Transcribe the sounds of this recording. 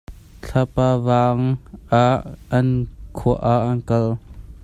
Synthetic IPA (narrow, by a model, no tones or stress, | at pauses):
t͡ɬʰapaːvaːŋʔaʔːɐnkʰuəʔaʔɐnkɐl